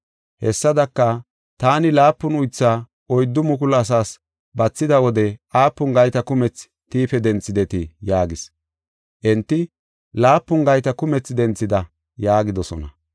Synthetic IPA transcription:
hɛsːɐd̪ɐkːɐ | t̪aːnɪlaːpːʊnʊjt͡sːa | ʔɔjd̪ːʊmʊkʊlɐs̬aːs | bɐt͡sːɪd̪ɐwɔd̪ɛʔaːpːʊŋɡɐjt̪ɐkʊmɛt͡s | t̪iːfɛd̪ɛnt͡sːɪd̪ɛt̪ɪjaːɡɪs | ʔɛnt̪ːɪ | laːpːʊŋɡɐjt̪ɐkʊmɛt͡sːd̪ɛnt͡sːɪd̪ɐ | jaːɡɪd̪ɔsɔ̰nɐ̰

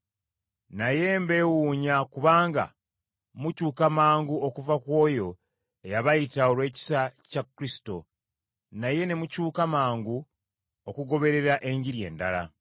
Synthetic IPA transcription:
naje̞mbe̞wuːɲakuβaːŋɡa̰ | mucuːkamaːŋɡuokuvakwo̞ːjo̞ | ejaβaitaoɾwe̞ːci̥sacakːuɾisi̥to̞̰ | naje̞ne̞mucuːkamaːŋɡu | okuɡo̞βe̞ɾe̞ɾaʔe̞ɲɟiɾje̞̰ːnda̰la̰

